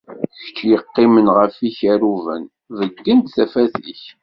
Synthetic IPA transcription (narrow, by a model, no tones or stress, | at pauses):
çə̥t͡ʃːjəqːɪmənʁəfiçæɾuvə̰n | vəɡːənt̪θæfæθiç